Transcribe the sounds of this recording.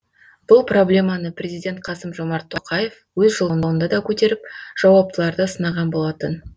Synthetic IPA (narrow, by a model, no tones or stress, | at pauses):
b̥ʊlˠpro̞blʲe̞mɑnəprʲe̞zijdʲe̞nt̪̚qʰɑsəmʒo̞mɑɾt̪ʰːoqʰɑje̞f | wɵzʒəlˠəənˠənd̪ɑd̪ɑkʲʰɵt̪e̞ɾɪp̚ʒ̥ɑwɑp̚t̪əlˠɑɾd̪əsənɑʁɑnbo̞lˠɑt̪ən